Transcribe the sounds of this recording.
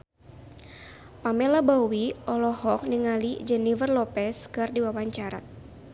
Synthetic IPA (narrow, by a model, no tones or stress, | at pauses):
pamɛlabawiʔɔlɔhɔk̚niŋalid͡ʒɛnivərlɔpɛskɨrdiwawaɲt͡ʃaɾa̰